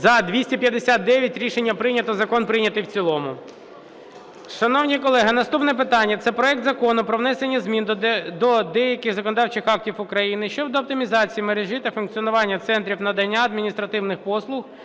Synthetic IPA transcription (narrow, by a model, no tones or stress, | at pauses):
zɐd̪ʋʲisʲtʲipʲjɐd̪esʲat̪̚d̪ɛʋʲjɐtʲɾʲiʃenʲːɐpɾɪnʲɐt̪ɔzɐkɔnpɾɪnʲɐt̪ɪjwt͡sʲilˠɔmʊ | ʃɐnɔwnʲikɔlˠɛɦɪnɐst̪upnɛpɪt̪ɑnʲːɐt̪sɛpɾɔɛk̚t̪zɐkɔnʊpɾɔʋnɛsenʲːɐzmʲind̪ɔd̪ɛjɐkʲɪxzɐkɔnɔd̪ɑwt͡ʃɪxɑk̚tʲiwʊkɾɐjinɪʃt͡ʃɔd̪ɔɐp̚t̪ɪmʲizɑt͡sʲijimeɾeʒɪt̪ɛfʊnkt͡sʲiɔnʊʋɑnʲːɐt̪sɛnt̪ɾʲiwnɐd̪ɐnʲːaɐd̪mʲinʲist̪ɾɐt̪ɪwnɪxpɔslˠʊx